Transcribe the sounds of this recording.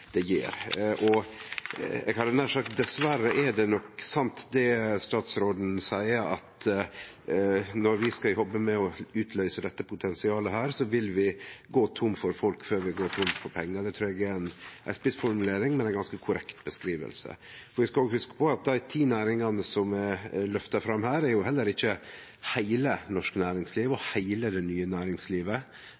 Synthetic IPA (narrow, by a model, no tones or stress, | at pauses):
d̪̥ɛjḛːɾʔɔ | ɛ̰ɡhɑdɛnæʂɑkd̪ɛsʋæɾəʔɛɖɛnɔksɑnt̪d̪ɛst̪ɑːt̪sɾoːd̪n̩sæɪəɾɑ̰t̪ | nɔɾʋɪskɑhɔbːəmɛɔʉːt̪ʰlœʏsəd̪ɛt̪ːəpʰʊt̪ʰɛnsɪɑːləɦæːɾsɔʋɪlʋɪɡoːt̪ʰʊmfɔɾfɔlkføːɾʋɪɡoːt̪ʰʊmfɔɾpʰɛŋːəd̪ɛt̪ʰɾuːɛɡɛɾɛnʔæspɪsfɔɾmʉleːɾɪŋmɛnɛɪnɡɑnskəkʰʊɾɛkt̪bəskɾiːʋə̰lsə̰ | fɔɾæskɑloːɡhʉskə̥pʰɔɑt̪̚d̪æɪt̪ʰiːnæːɾɪŋɑnəsɔmɛlœft̪ɑfɾɑmhæːɾæɾjʊɦɛlːəɾɪçːə | hæɪlənɔʂkənæːɾɪŋsliːʋɔhæɪləd̪ɛnyːənæːɾɪŋsliːʋə